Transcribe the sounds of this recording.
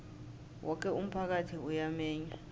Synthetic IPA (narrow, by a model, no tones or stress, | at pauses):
wʔɔk̬ʼɛum̩pʰak̬atʰiujamɛːɲa